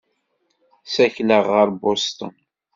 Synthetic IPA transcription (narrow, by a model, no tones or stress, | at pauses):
sæçləʁːəɾbost̪ə̰n